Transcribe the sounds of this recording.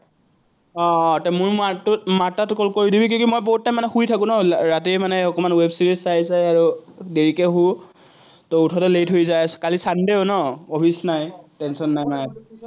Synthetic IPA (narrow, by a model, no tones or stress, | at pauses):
ɔtamujattmatatkɔlkoɹidibikiɔ̃kimojboɦutːamanɛxujtʰakʊ̃nɔɹatimanɛɔkɔmanwebsiɹissajzajaɹudeɹikɛɦu | tɔutʰɔtɛlejtɦojzajskalisandeonɔɔpʰisnajtɛnsɔnːajmanɛ